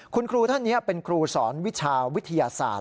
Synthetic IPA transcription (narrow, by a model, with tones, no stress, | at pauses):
kʰu˧nkʰɾuː˧t̪ʰa˥˩nːi˦˥ɐpe˧nkʰɾuː˧sɔː˩˦nwi˦˥t͡ɕʰaː˧wi˦˥t̪ʰːa˧jaː˧sa̰ː˨˩t̪̚